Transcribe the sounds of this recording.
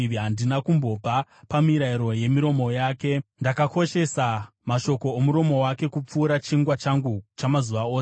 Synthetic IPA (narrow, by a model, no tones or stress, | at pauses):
iɦandinakumbo̞papamiɾaiɾo̞je̞miɾo̞mo̞jaːke̞ndakako̞ʃe̞sa | maʃo̞ko̞omuɾo̞mo̞wake̞kup͡fuːɾat͡ʃiŋɡwat͡ʃaŋɡut͡ʃamazuʋaoːs